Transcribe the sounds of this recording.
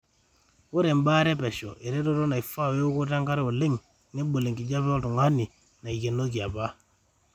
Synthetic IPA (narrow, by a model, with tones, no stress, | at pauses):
wo˦ɾe˨mba˦ɾɛ˦pɛ˨ʃɔ˨ʔe˨ɾe˦to˦to˦na˨i˨fa˦˨we˦o˦ko˦ta˦ŋka˦ɾe˦o˨le˦ŋ | ne˦ɓo˨le˨ŋki˨d͡ʒa˦βo˦tu˨ŋa˦ni˨ | na˨i˨ke˨no˦k̬i˨a˨ba˦